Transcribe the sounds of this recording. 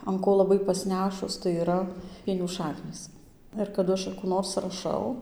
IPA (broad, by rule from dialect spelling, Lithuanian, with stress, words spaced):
ɐn ˈkoː lˠɐˈbɐɪ pɐsʲˈnʲæːʃʊs tɐɪ iːˈrɐ ˈpʲiɛnʲuː ˈʃɑːknʲiːs ɪr kɐˈdʊ ˈɐʃ ɐ kuː ˈnoːrs rɐˈʃɐʊ